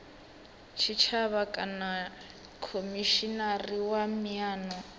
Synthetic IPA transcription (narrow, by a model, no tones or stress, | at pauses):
t͡ʃʰit͡ʃʰaβakʼana | kʰomiʃinariwamiaːnɔ